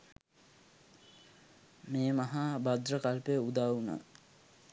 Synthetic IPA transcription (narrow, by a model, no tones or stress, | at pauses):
meːmɐɦabad̪rəkalpejəud̪aːwuna̰